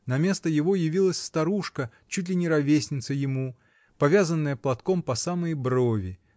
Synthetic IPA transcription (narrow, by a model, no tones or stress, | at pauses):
nɐmʲe̞st̪əjɪvo̞jɪvʲilˠəsʲst̪ɐɾuʂkə | t͡ɕut̬ʲlʲɪnʲɪɾɐvʲesʲnʲɪt̪səjɪmu | pɐvʲazənːəjəplˠɐt̪kompɐsaməjbrovʲɪ